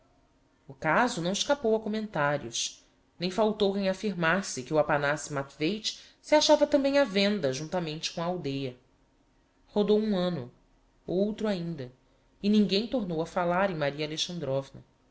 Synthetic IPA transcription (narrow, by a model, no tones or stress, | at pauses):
ʊkazʊnɐ̃w̃ɪʃkapowɐkomẽnt̪aɾiʊs | nẽj̃fawt̪owkẽj̃afiɾmasɪkɪuapanasɪmat̪vejt͡ʃ | sɪaʃavɐt̪ɐ̃bẽj̃avẽnd̪ɐʒũnt̪amẽnt͡ʃɪ̥kõɐawd̪ejɐ | hod̪owũɐ̃nʊ | owt̪ɾʊaĩnd̪ɐ | ɪnĩŋɡẽj̃t̪oɾnowɐfalaɾẽj̃maɾiɐaleʃɐ̃nd̪ɾɔvnɐ̰